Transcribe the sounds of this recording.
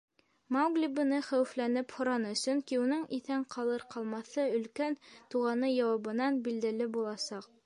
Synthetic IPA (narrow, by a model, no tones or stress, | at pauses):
mɑwɡlʲibɤ̆nɤχæwɘ̆flænɘphŏɾɑnɤ̆sɵŋkiunɤɴiθæɴqʰɑlˠɤɾqɑlˠmɑθɤɵ̆lkænt̪uʁɑnɤjɑwɑβɤ̆nɑnbild̪ælɘbulˠɑsɑq